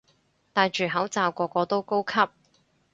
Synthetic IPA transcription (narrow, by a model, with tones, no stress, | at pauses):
t̪aː˧jt͡ʃyː˨ɦɐ˨˥wt͡saː˨wkɔː˧kɔː˧t̪o˥wko˥wkʰɐ˥p̚